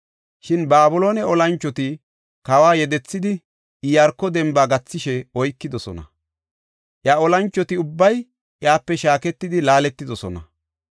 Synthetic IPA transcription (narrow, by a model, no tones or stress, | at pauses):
ʃɪnbaːbʊloːnɛɔlɐnt͡ʃːɔt̪ɪ | kɐwaːjɛd̪ɛt͡sːɪd̪ɪ | jɐɾkːɔd̪ɛmbaːɡɐt͡sːɪʃɛɔjkːɪd̪ɔsɔ̰nɐ̰ | ʔjaːɔlɐnt͡ʃːɔt̪ɪʊbːɐj | ʔjaːpːɛʃaːkɛt̪ːɪd̪ɪlaːlɛt̪ːɪd̪ɔsɔnɐ̰